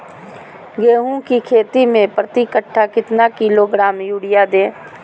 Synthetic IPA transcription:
ɡeːɦũkikʰeːt̪imẽpɾət̪ikəʈʰːakɪt̪nakiloɡɾaːmjuːɽijad̪ẽː

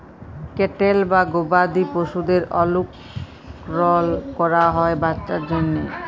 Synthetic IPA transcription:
keʈelbaɡobad̪ipoʃud̪eɾɔluk | ɾɔlkɔɾaɦɔebatːʃaɾd͡ʑonːe

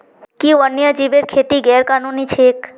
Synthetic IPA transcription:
kiʋənjəd͡ʒiʋeɾkʰet̪iɡɛɾkanunit͡ʃʰek

